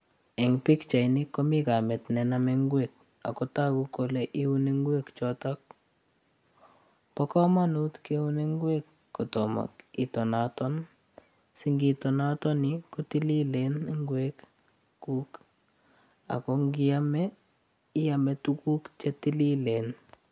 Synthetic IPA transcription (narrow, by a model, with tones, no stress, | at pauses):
e˨ŋpi˦kt͡ʃa˨ini˦ko˦mi˦ka˨mɛ˨tnɛ˨namɛ˦ŋɡwek̚ | a̰˨kɔ˦ta˦kuko˨leʔi˦u˦ne˦ŋɡwe˦kt͡ʃɔtak̚ | pɔka˦ma˦nutke˦u˦ne˦ŋɡwe˦kːo˨tɔ˨ma̰ki˨tɔ˨natɔ˦n | si˦ŋɡitɔ˨na˦tɔ˦nikoti˦li˦lenŋɡwek | ku˦k | a̰˨ko˦ŋɡi˦a˦mɛ | ɪ˦a˨mɛ˨tuku˦kt͡ʃe˦ti˦li˦le˨n